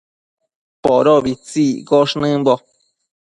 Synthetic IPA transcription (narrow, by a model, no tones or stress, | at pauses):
poɾoβit͡sikoʂnɨ̃mbo